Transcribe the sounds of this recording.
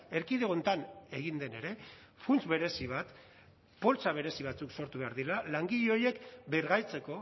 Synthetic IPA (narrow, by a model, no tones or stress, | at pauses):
e̞ɾkiðeo̞nt̪ane̞ɣind̪e̞ne̞ɾe̞ | funt͡sβe̞ɾe̞siβ̞at̪ | po̞lt͡saβe̞ɾe̞siβ̞at͡sukso̞ɾt̪uβe̞aɾðilalaŋɡiʎeo̞je̞kbeɾɣajt͡se̞ko̞